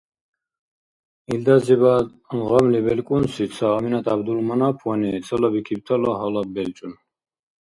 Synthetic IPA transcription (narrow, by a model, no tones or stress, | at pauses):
ild̪aziβa | ʁɔmlibɛlkʼunsisʰaːminat̪ʰabd̪ulmanapʰwanit͡s̪ʰʼəlɔbikʰib̚t̪ʰɔlɔɦɔlabɛlt͡ʃʼun